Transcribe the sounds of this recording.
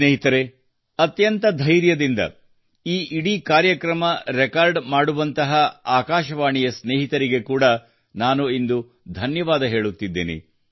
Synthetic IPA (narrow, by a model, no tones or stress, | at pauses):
neːɦit̪ɐɾe̞ | ɐt̪jɐnt̪ɐd̪ʱɐjɾjɐd̪ind̪ɐ̰ | iːʔiɽikaːɾjɐkɾɐmɐɾɛkaːɾɖmaːɽuʋɐnt̪ɐɦɐaːkaːʃɐʋaːɳijɐsneːɦit̪ɐɾiɡe̞kuːɽɐ | naːnuind̪u | d̪ʱɐnjɐʋaːd̪ɐɦe̞ːɭut̪ːid̪ːḛːnḭ